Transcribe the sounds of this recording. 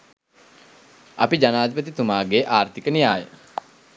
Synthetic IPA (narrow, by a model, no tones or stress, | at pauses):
apid͡ʒanaːd̪ʱipət̪̬it̪umaːɡeʔaːrt̪ikənijaːjə̰